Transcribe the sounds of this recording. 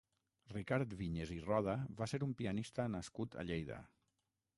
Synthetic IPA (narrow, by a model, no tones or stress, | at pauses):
rikaɾt̪βiɲezirɔð̞əβaseɾumpianist̪ənaskut̪a̰ʎejðə̰